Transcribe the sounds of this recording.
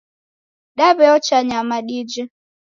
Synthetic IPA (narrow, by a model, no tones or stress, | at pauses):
ɗaβɛɔt͡ʃaɲamaɗid͡ʒɛ